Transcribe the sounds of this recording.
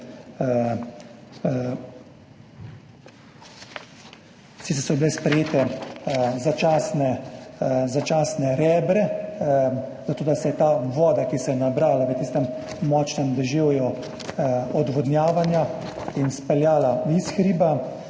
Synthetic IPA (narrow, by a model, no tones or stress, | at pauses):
sit͡s̪ɛsɔbilɛspɾɛjeːt̪ɛ | zat͡ʃaːsnɛ | zat͡ʃaːsnɛɾɛːbɾɛ | zat̪oːd̪asɛjɛt̪aːʋɔːd̪akisɛjɛnabɾaːlaʋət̪iːst̪ɛmː | ɔːt͡ʃnɛmd̪ɛʒeːwju | ɔd̪ʋɔd̪njaːʋanja | inspɛljaːlaisxɾiːba